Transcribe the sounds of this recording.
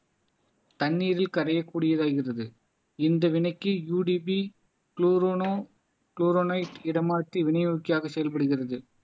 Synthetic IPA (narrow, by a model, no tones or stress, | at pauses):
t̪ɐnːiːɾɪlkɐɾɐjɐkːuːɽɪjɐðaːɣɪrɐðɯ | ɪnd̪ɐʋɪɳɐɪkːɯjuːɖibi | kluːɾonoː | kluːɾoːnɐɪʈɪɽɐmaːt̪ːiʋɪɳɐjukːɪjaːɣɐsɛjɐlpɐɽɯɣɪrɐðɯ